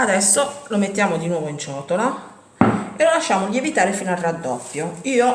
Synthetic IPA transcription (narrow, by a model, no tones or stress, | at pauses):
ad̪ɛsːolomet̪ːjaːmod̪inwɔːvoint͡ʃɔːt̪ola | elolaʃːaːmoʎievit̪aːɾefiːnoarːad̪ːɔpːjoiːo